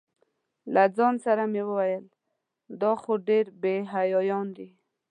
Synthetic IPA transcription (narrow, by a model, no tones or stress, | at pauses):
lad͡zɑnsaɾamewəwajəl | d̪ɑxoɖeɾbeɦajɑjɑnd̪i